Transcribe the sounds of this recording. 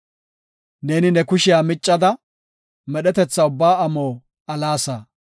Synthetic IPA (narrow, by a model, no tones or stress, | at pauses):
neːnɪnɛkʊʃɪjaːmɪt͡ʃʼːɐd̪ɐ | mɛɗɛt̪ɛt͡sːɐʊbːaːɐmoː | ɐlaːsɐ